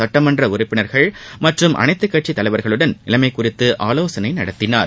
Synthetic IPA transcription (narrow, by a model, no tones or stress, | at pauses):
ɐʈːɐmɐndrɐʊɾɪpːɪnɐɾɣɐɭmɐʈrɯmʔɐ̰nɐɪt̪ːɯkːɐʈt͡ʃit̪ːɐlɐɪʋɐɾɣɐɭɯɽɐnɪlɐmɐɪkːʊrɪt̪ːɯʔaːloːsɐnɐɪnɐɽɐt̪ːɪnaːɾ